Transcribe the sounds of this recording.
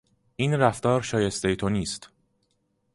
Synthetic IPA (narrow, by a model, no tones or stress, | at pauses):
ʔiːnɾæft̪ɒːɾʃɒːjest̪ejt̪ʰoniːst̪